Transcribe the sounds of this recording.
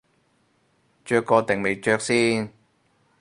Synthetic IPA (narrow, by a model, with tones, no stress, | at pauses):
t͡ʃœː˧kːɔː˧t̪e˨˩ŋme˨jt͡ʃœː˧k̚siː˥n